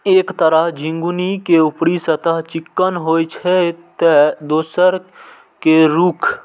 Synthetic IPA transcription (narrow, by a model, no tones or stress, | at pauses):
eːkt̪əɾəɦd͡ʒɪ̃ŋɡunikeʊpɽisət̪əɦt͡ʃɪkːənɦoːjt͡ʃʰet̪ed̪oːsəɾ | keɾuːkʰ